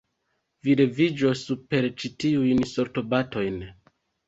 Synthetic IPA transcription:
viɾe̞vid͡ʒo̞supe̞ɾt͡ʃitiujnso̞ɾto̞bato̞jn

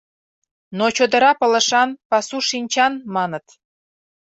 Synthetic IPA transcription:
not͡ɕod̪ə̆ɾɑpɤ̆lə̆ʃɑnpɑsuʃinʲt͡ɕɑnmɑnət̪

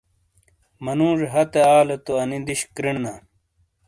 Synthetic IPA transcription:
mɐnũːʐeɦɐt̪eaːlɐt̪oɐnind̪iɕkɾiɳna

